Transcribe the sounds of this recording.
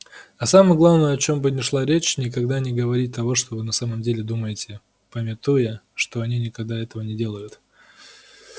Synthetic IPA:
ɐsaməjəɡlˠavnəjəɐt͡ɕo̞mbɨnʲɪʂlˠaɾʲet͡ɕnʲɪkɐɡd̪anʲɪɡəvɐɾʲit̚ʲt̪ɐvo̞ʂt̪o̞vɨnɐsaməmdʲelʲɪd̪uməjɪtʲɪ | pəmʲɪt̪ujəʂt̪o̞ɐnʲinʲɪkɐɡ̚d̪aɛt̪əvənʲɪdʲe̞lˠəjʊt̪

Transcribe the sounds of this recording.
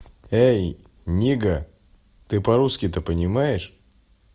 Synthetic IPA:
ej | nʲiɡə | t̪ɨpɐɾuskʲɪt̪əpənʲɪmajɪʂ

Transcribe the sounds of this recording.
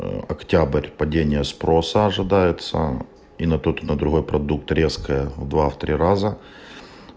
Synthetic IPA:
ɐ̰ktʲabrʲpɐdʲenʲɪjəspɾo̞səɐʐɨd̪ajɪt̪sə̰ | inɐt̪ot̪nɐd̪ɾʊɦo̞jpɾɐd̪uk̚t̪ɾʲeskəjəvd̪vaft̪ɾʲiɾazə

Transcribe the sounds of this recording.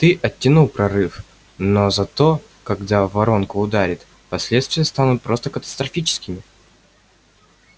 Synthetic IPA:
t̪ɨʔɐtʲːɪnulˠpɾɐɾɨf | nozɐt̪o̞ | kɐɡd̪avɐɾo̞nkʊːd̪aɾʲɪt̪ | pɐsʲlʲet̪st̪vʲɪjəst̪anʊt̪̚pɾo̞st̪əkət̪ə̥st̪ɾɐfʲit͡ɕɪ̥skʲɪmʲɪ

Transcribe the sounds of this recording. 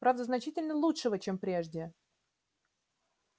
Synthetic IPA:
pɾavd̪əznɐt͡ɕitʲɪlʲnəlˠutʂəvət͡ɕempɾʲe̞ʐdʲɪ

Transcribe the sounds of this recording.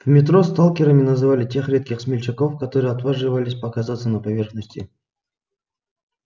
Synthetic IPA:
vmʲɪt̪ɾost̪alˠkʲɪɾəmʲɪnəzɨvalʲɪtʲe̞xɾʲe̞t̪̚kʲɪxsmʲɪlʲt͡ɕɪko̞fkɐt̪oɾɨjɐt̪vaʐɨvəlʲɪsʲpəkɐzat̪sənəpɐvʲe̞rxnəsʲtʲɪ̰

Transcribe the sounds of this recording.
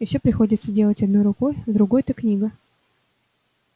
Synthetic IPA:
ɪfsʲepɾʲɪxo̞dʲɪt̪sədʲe̞lˠətʲɐd̪nojɾʊko̞jvd̪ɾʊɡo̞jt̪əknʲiɡə

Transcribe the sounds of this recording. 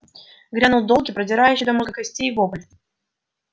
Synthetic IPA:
ɡɾʲanulˠd̪olˠɡʲɪpɾədʲɪɾajʉɕːɪd̪ɐmoɡəkɐsʲtʲejvobəlʲɪt̪

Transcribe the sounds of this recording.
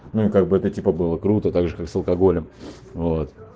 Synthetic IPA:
nuɪkaɡ̚bɨɛt̪ətʲipəbɨlˠəkɾut̪ət̪aɡʐɨkaksəlˠkɐɡo̞lʲɪm | vo̞t̪

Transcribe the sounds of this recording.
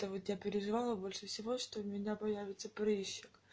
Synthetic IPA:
t̪əvot̪japʲɪɾʲɪʐɨvɑlˠəbo̞lʲʂɨfsʲɪvo̞ʂt̪oʊmʲɪnʲapɐjævʲɪt̪səpɾɨɕːɪk

